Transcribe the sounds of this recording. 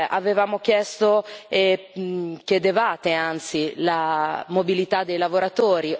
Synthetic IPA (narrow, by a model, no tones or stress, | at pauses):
ʔa̰vevaːmok̟jɛst̪oe | kʲjed̪evaːt̪eant̪silamobilit̪ad̪ːejlavoɾat̪oːɾi